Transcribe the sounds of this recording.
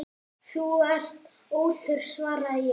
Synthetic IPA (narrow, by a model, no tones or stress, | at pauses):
θuɛr̥t̪ | oːwθʏɾ̥svaːɾajɛ